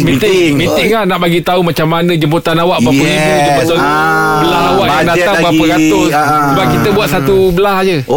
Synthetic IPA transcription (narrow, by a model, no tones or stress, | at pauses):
mĩt̪mint̪ɪŋlahnaʔbaɡit̪aumãt͡ʃamːanə̃d͡ʒəmput̪anawaʔbapəibud͡ʒəmpot̪an | bəlaɦawaʔjaŋdat̪aŋbapəɾat̪ʊsəbap̚kit̪əbuat̪̚sat̪u | bəlahd͡ʒə